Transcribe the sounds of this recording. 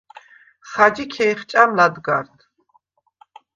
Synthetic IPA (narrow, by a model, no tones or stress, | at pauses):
χad͡ʒikʰɛjχt͡ʃʼamlad̪ɡaɾt̪ʰ